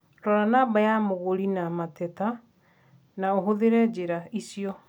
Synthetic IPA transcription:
ɾɔɾanaːbajamoɣoɾinamatɛta | naoɦoðeɾɛd͡ʑeɾaisiɔ

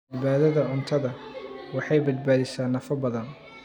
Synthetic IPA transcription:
ɪβaːðɐðɐʕʊnt̪ʰɐðɐwɑħɑjbɐd̪̚baːðɪsaːnːɐfɐbɐðɐn

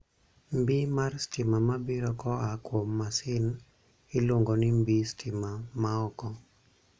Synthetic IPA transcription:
mbimarstɪmamabiɾɔkɔakwomːasɪn | ɪloŋɡonɪmbistʰɪmamaɔkɔ

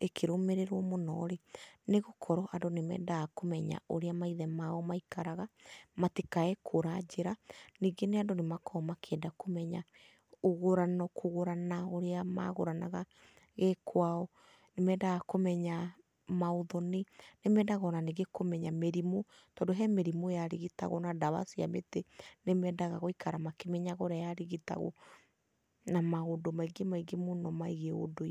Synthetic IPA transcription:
ekʰeɾomeɾeɾwɔmonɔɾeneɣokʰɔɾɔʔandonemɛ̰ːdaɣakomɛɲa̰oɾeamaiðɛmaːɔmaikaɾaɣamatekaɛkʰoɾad͡ʑeɾaniːɡeneandonemakʰɔmakʰeːdakomɛɲa | oɣoɾanɔkʰoɣoɾanaoɾeama̰ɣo̰ɾana̰ɣa | ɣekʰwaɔ | nemɛːdaɣakomɛɲa | maoðɔnenemɛːdaɣɔnaneɡekomɛɲameɾimo | tɔːdoɦɛmeɾimojaɾiɣita̰ɣɔnadaβa̰sia̰mḛtenemɛdaɣaɣoikʰaɾamakemɛɲaɣɔɾajaɾiɣita̰ɣo̰ | namaodomaiɡemaiɡemonɔmaiɣeo̰do

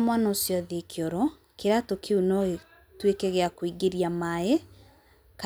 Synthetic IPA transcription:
mwanaosjɔðekʰjɔɾɔ | keɾatokʰeunɔɣe | twekɛɣeakoiɡeɾiamae | ka

